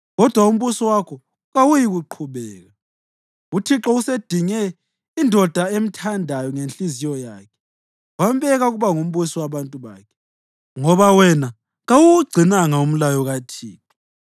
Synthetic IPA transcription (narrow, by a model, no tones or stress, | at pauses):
ɣɔd̥ʱwaum̩βusɔwakʰɔ | ɣawujiɣuǃʰuβɛːɣa | utʰiǁɔused̥ʱiŋɛ | indʱɔd̥ʱaem̩tʰandʱajɔŋent͡ɬʼizijɔjaːkʰɛ̥ | wambɛɣaɣuβaŋum̩βusɔwaβantʼuβa̰ːkʰɛ̥ | ŋɔβawɛna | ɣawuuɡ͡ǀʱinaŋaum̩lajɔɣatʰiːǁʰɔ̥